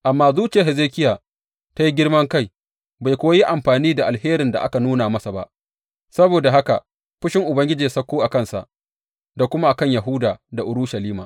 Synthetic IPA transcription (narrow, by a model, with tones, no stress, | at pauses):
ʔa˨mːaː˦zuː˦t͡ʃɪ˨ja˨ɦɛ˨zeː˦kʲɪ˦jaː˨ | ta˦ji˦ɡʲɪ˦rmɐ˦ŋka˦j | ba˨jkʷoː˦a˦ji˦ʔa˨mɸaː˨niː˦da˨ʔa˨lheː˦ɾɪ˨nda̰˨ʔa˦ka˨nuː˦naː˨mɐ˦sa˨ba̰˦ʔ | sɐ˦boː˨da˨ɦa˦ka̰˨ | ɸʊ˦ʃɪ˦ŋʔʊ˨bɐ˦ŋɡʲɪ˦d͡ʒeː˨sɐ˦kʷːoː˦ʔa˨kɐ˦nsa̰˨ʔ | da˨kʷʊ˦ma˦ʔa˨kɐ˦˨ɲja˨ɦʊ˦daː˨da˨ʔʊ˦ɾʊ˦ʃa˨liː˦maː˨